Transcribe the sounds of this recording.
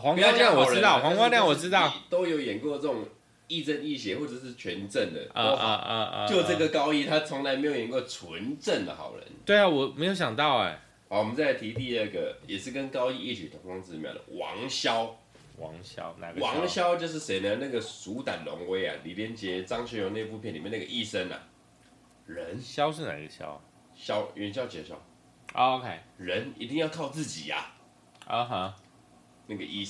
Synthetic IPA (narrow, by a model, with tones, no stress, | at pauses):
xwɑ˧˦ŋ˧˥lja˥˨ŋwɔ˨˩ə˥˧˦ɑ˥˨xwɑ˧˦ŋkwɑ˥lja˥˨wɔ˨˩ɻ̩˥t̪ɑ˥˨t̪o˥ʊjo˧˥ʊjɛ˨˩nkwɔ˥˧t͡sə˥˩ʈ͡ʂʊ˨˩ŋ | i˥˧t͡sə˥˧ni˥˩ɕjɛ˧˦xwɔ˥˩t͡sə˨˩ʂɻ̩˥˩t͡ɕʰɥɛ˧˦˥nʈ͡ʂə˥˩nd̪ə̰˩o˧˥xo˥˧jo˨˩ə˥˧˩ɡə˨˩kɑ˥ʊi˥˨t̪ʰa˥t͡sʰɔ˧˦ŋla˧˥ɪme˧˥jo˨˩ʊjɛ˨˩kwɔ˥˩t͡sʰwə˧˦nʈ͡ʂə˥˨nd̪ə̰˩xɑ̰˨˩ʊɻə̰˧˦nt̪we˥˩ɪa˨˩wɔ˨˩me˧˥ɪjo˧˥ɕjɑ˨˩ŋt̪ɑ˥˩ʊḛ˩ | hɑ˨˩wɔ˨mə˦nt͡sa˥˩ɪt̪ʰi˧˥t̪i˥˧ə˥˩ɡə̰˩jɛ˨˩ʂɻ̩˥˩kə˦nkɑ˥ʊi˥˧i˥˩t͡ɕʰi˨˩t̪ʰʊ˧˥ŋfɑ˧˥ŋt͡sɹ̩˥˧˨mja̰˥˩d̪ə̰˩wɑ̰˧˦ŋɕjɑ˦˥ʊ | wɑ˧˦ŋɕjɑ̰˥ʊna̰˨˦ɡwɑ˨˦ŋɕjɑ˥ʊt͡ɕjo˥˧ʊʂ̬̩˥˩se˧˥ɪnə˧na˥˩ɡə˨su˨˦˥t̪a˨˩nlɔ̰˧˥ŋwe˥ɪɐ̰˨li˨˥pjɛ˥nt͡ɕjɛ˧˦t͡sɑ˥ŋɕɛ˧˥jo˧˥˦ne˥˧pu˥˧pʰjɛ˨ni˨˩mɛ˥˧na˥˩ɡə̰˨ʔi˥˩ʂə˥nɐ̰˨˩ | ɻə˧˦nɕjɑ˥ʊʂ̬ɻ̩˥˩na̰˨˩˥ɡə˧ɕjɑ̰˥ʊ˨˩ | ɕjɑ˥ʊɛ˨˧˥nɕjɑ˥ʊt͡ɕɛ˧˥˩ɕjɑ̰˥ʊ | ʔo˧o˧kʰe˥˩ɪɻə˧˦nḭ˨˧˥t̪i˥˧ŋjɑ˥˧ʊkʰɑ˥˧ʊt͡sɹ̩˥˩t͡ɕḭ˨˩ɐ̰˨˩ | ə˧˩ɦə˧ | na˥˩ɡə˨ʔi˥˩